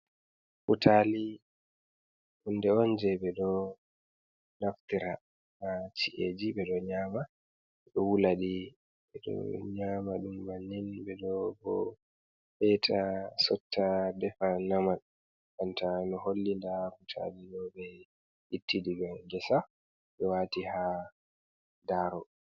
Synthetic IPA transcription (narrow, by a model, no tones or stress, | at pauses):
futʰali | undɛɔnd͡ʒɛbɛɗɔ | naft̪iɾa̰ | mat͡ʃiʔed͡ʒiɓɛɗɔɲaːma | ɗɔwulaɗi | ɓɛɗɔ̰ɲamaɗumːanːinbɛɗɔbɔ̰ | hɛtʰasɔtʰːadɛfanaman | ʔantanɔɦolːindakutʰa̰diɗɔbɛ | itːidiɡamɡɛsa | ɓɛwaːtiha | daɾɔ